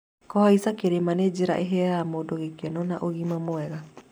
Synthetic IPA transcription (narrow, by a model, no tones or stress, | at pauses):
kɔhaisakeɾemaned͡ʒeɾa̰ʔeɦɛːɾamodoɣekenɔnaʔoɣimamoɛɣa